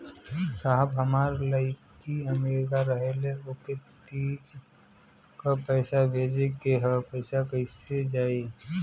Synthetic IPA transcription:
saːɦəbɦəmaːɾləɪkiɐmeːɾɪkaɾəɦeleoket̪iːd͡ʒ | kapɛɪsabʱeːd͡ʒekeɦəpəɪsakəɪsed͡ʒaːi

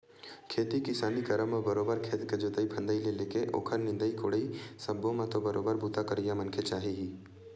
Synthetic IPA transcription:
kʰeːt̪ikɪsaːnikɐɾə̃mmːẽbɐɾoːbəɾkʰeːt̪kɐd͡ʒot̪əipʰɐ̃nd̪əileleːkeʔo̰ːkʰəɾnɪ̃nd̪əikoːɽisɐbːõmãt̪obɐɾoːbəɾbʱuːt̪akəɾijamɐnkʰet͡ʃaːɦiɦiː

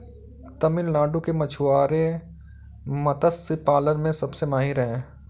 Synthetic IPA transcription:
t̪ɐmɪlnaːɖũkemɐt͡ʃʰʊaːɾe | mɐt̪əspaːlənmẽsɐbsemaːɦiɾəɦẽː

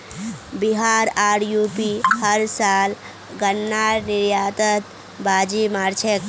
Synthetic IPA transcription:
biɦaːɾaːɽjuːpihəɾsaːl | ɡənːaːɾniɾjaːt̪ət̪ | baːd͡ʒimaːɾt͡ʃʰek

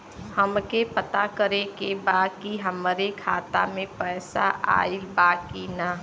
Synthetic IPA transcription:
həmkepət̪akəɾekebaːd̪̚kiɦəmɾekʰa̰ːt̪a̰mẽpɛːsa̰ʔa̰ːilbaːkina

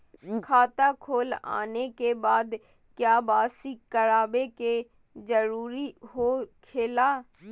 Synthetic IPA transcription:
kʰaːt̪akʰoːla̰ːnekebaːd̪ | kjaːbaːsikəɾaːbeke | d͡ʒəɾuːɾiɦoːkʰeːlaː

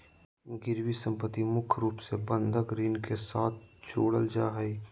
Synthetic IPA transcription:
ɡɪɾwisə̃mpət̪ːimʊkʰɾuːpsebə̃nd̪ʱəkɾiːnkesaːt̪̚ʰt͡ʃʰoːɽəld͡ʒaːɦɐi

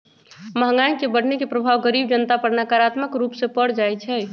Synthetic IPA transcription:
məɦŋajkebəɽ̤nekepɾəbʱaʋɡəɾib̚d͡ʒənt̪apəɾnakaɾat̪məkɾupsẽpəɽ̤d͡ʒajt͡ʃʰɛ

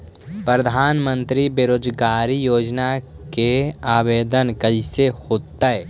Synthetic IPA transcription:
pɾəd̪ʱaːnmə̃nt̪ɾibeɾoːd͡ʒɡaːɾijoːd͡ʒna | keaːbeːd̪ənkəɦisehoːt̪ːaɛ

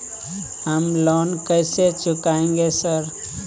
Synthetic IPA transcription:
ɦəmlɔnkəjset͡ʃʊkaẽŋɡesəɾ

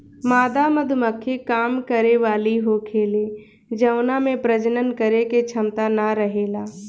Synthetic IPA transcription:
maːd̪amɐd̪ʱʊməkʰːekaːmkəɾeʋaːliɦokʰeːleː | d͡ʒɐwnamẽpɾəd͡ʒənənkəɾeket͡ʃʰɐmt̪anaɾəɦeːlaː

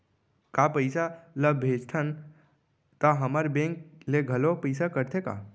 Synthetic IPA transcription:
kapəɪsaləbʱed͡ʒt̪ʰən | t̪əɦəməɾbẽŋkleɡʱəlopəɪsakəɾt̪ʰeka̰

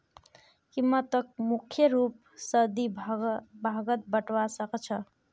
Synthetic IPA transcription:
kimət̪ək̚mukʰjəɾup̚ | səd̪i | bʱaɡət̪̚bəʈʋasəkt͡ʃʰə

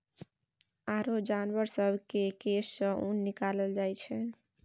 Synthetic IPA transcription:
aɾod͡ʒanʋəɾsəbʱkekesːə̃unːikaləld͡ʒajt͡ʃʰɛ

